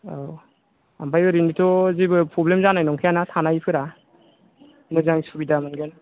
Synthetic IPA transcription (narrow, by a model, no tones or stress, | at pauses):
a | a̰mbajɯɾinitʰɔzibɯpɾɔblemzanajnɔŋkʰijanatʰanajpʰɯɾa | mɯzaŋsubidamɯnɡena